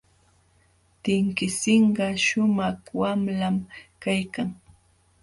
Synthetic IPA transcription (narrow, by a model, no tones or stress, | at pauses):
t̪ɪŋkɪsɪɴɢɑʃʊmɑχwamlamkajkaŋ